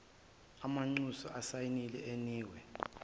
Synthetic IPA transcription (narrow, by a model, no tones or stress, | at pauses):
amaŋ͡ǀusɔ̰ʔasajinilɛeniːwɛ